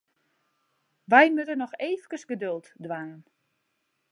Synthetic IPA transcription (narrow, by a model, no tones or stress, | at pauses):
ʋɛjmøtənɔxeːfkəsɡədølˠtdʋanən